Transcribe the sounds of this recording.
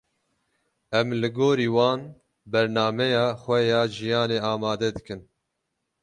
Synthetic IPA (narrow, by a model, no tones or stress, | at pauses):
ɛmlɨɡoːɾiːwɑːn | bɛɾnɑːmɛjɑːxʷɛjɑːʒijɑːneːɑːmɑːd̪ɛd̪ɨkɨn